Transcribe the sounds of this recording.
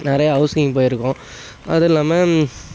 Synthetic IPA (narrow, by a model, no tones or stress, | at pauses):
nɪɾɐjɐɐʊsɐŋp̬oːjɪɾɯkːʊ̃ | ɐ̰ðɪlːaːmɐ